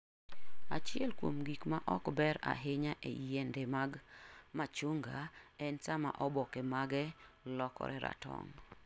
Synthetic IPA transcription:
at͡ʃɪɛlkwomɡikmaʔɔkbɛɾa̰ɦeɲaʔḛjɛndemaɡmat͡ʃoŋɡa̰ɛnsama̰ʔɔbɔkemaɡɛlɔkɔ̰ɾɛɾa̰tɔ̰ŋ

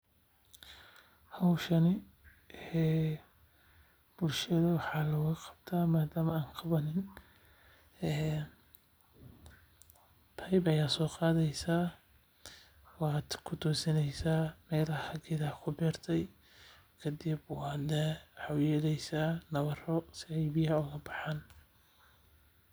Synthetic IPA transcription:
hɐwʃɐnɪ | ɛː | b̥ʊlʃɐðɐwɑħɑːlɔːɣɐqɑ̥b̥t̪ʰaːmaːd̪aːmɐaːŋqʰɑβɐnɪn | ɛː | pʰɐjbɐjaːsɔːqɑːðɛjsaː | wɑːd̪kʰʊt̪ʰɔːsɪnɛjsaːmɛːlɐhɐɡɪðɐkʰʊbɛːrt̪ʰɛj | kʰɐd̪ɪbwɑːd̪ɛwħɑjɛːlɛjsanɐβɐrɔsɪɛjbɪjɐʊɣɐbɑħaːn

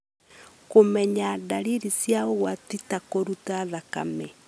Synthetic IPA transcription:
komɛɲadaɾiɾisjaoɣwatitakoɾutaðaka̰mɛ

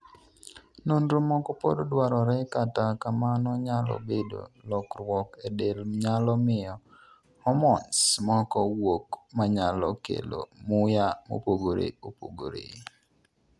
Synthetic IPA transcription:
nonɾomɔkɔpo̰dodwaɾɔɾɛkatakamanɔɲalɔ̰bedo̰lɔkɾwɔkedelɲalɔmɪjɔ | hɔmɔnsmɔkɔwokmaɲalɔkḛlo̰mʊjamo̰poɡoɾḛopoɡoɾḛ

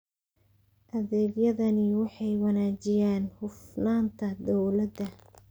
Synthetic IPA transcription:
ʔɐðɛːɡjɐðɐnɪwɑħɑjwɑnaːt͡ʃɪjaːnhʊfnaːnt̪ʰɐd̪ɔwlɐd̪ɐ

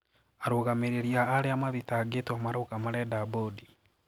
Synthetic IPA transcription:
aɾoːɣameɾeɾiaːɾeamaðitaːɡetwamaɾokamaɾɛdabodi

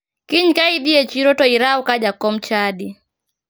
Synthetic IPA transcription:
kiɲkaidiɛt͡ʃiɾɔtɔiɾaukaʄakːɔm̩t͡ʃaɗi

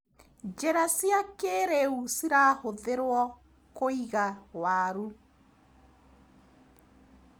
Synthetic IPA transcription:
d͡ʒɛɾasiakeːɾeusiɾaːhoðeɾwɔ | koiɣawaɾu

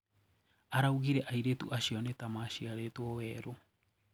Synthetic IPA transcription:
aɾauɣiɾɛʔaiɾetṵʔaɕiɔnetamaɕiaɾetuɔwɛɾo

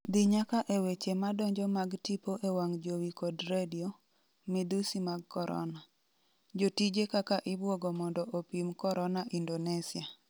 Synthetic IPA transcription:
d̪ɪɲakaʔewet͡ʃemadɔɲd͡ʒɔmaɡtipoʔewaŋd͡ʒowikɔdɾedio | mɪd̪usimaɡkɔɾɔ̰na | d͡ʒotid͡ʒekakaʔɪbwɔɡɔmɔndɔʔopimkɔɾɔnaʔindonesia

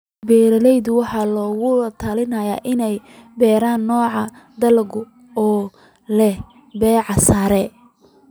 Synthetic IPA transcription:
bɛːɾɐlɛjðʊwɑħɑlɔːɣʊt̪ʰɐlɪnɐja̰ːʔɪnɛjbɛːɾaːnːɔːʕɑ | d̪ɐlɡʊ | ɔː | lɛ | bɛːʕɑsaːɾɛ

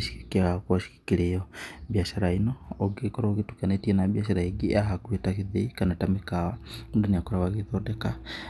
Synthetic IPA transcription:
ʃi̥ki̥kiaakuaʃi̥ki̥kilejobjaʃaɾainooɡekoɾoɣitukanetienabjaʃaɾaiɡiaɦakuetakiðikanatamikawaundeniakoɾaβaɣiðodeka

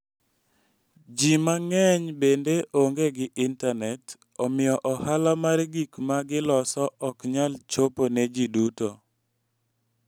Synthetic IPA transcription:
d͡ʒimaŋɛɲbendeʔoŋɡeɡɪʔɪntanɛt | ɔmɪjɔʔɔhalamaɾɡikmaɡɪlɔsɔɔkɲalt͡ʃoponed͡ʒiduto

